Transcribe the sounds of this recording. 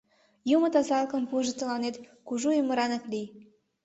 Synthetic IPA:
jumət̪ɑzɑlkəmpuʒət̪əlɑnet̪kuʒujəməɾɑnəklij

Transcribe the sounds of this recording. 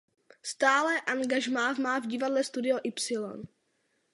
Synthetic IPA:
st̪aːlɛʔaŋɡaʒmaːvmaːvɟɪvadlɛst̪udɪoʔɪpsɪlo̞̰n

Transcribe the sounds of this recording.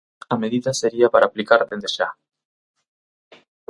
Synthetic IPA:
ameðiðaseɾiapaɾaːplikaɾðend̪eʃa̰

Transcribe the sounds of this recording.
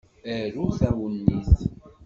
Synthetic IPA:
æɾuθæwənːiθ

